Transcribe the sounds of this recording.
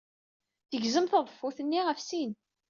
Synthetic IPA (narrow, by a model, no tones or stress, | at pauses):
θəʝzəmθəðˤəfːuθənːiʁəfsin